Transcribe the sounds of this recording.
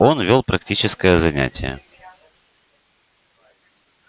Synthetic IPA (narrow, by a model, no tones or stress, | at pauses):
o̞nvʲolˠpɾɐktʲit͡ɕɪskəjəzɐnʲæ̰tʲɪ̰jə̰